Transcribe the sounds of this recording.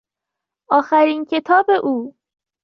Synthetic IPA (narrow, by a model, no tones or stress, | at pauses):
ɒːxæɾiːncʰe̞t̪ʰɒːbe̞ʔuː